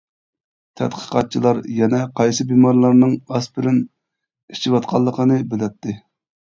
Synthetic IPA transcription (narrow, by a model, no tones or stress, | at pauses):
t̪ʰɛ̰t̪qʰə̥qɑt̪̚t͡ʃʰilˠɑɾjɛnɛqʰɑjsɨbimɑɾlˠɑɾnɨŋɑspɪɾɪn | it͡ʃʰiwɑt̪qʰɑlˠːəqʰənɨbɪlɛt̪ʰːɪ